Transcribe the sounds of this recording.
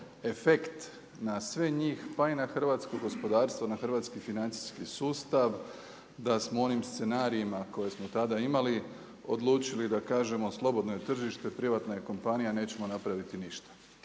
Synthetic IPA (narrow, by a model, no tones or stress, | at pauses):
e̞fe̞kt̪ | nasʋe̞ɲiːxpainaxr̩ʋaːt̪skoɡo̞spo̞d̪aːɾst̪ʋonaxr̩ʋaːt̪skifinant̪si̥skisuːst̪aʋ | d̪asmoo̞nimst̪se̞naːɾiimako̞je̞smo̞t̪ad̪aimali | o̞̰d̪lˠuːt͡ʃilid̪akaːʒe̞mo̞slˠo̞bo̞d̪nojet̪r̩ʒiʃt̪e̞pɾiʋat̪najeko̞mpanijane̞ːt͡ɕe̞mo̞napɾaʋit̪iniʃt̪ḁ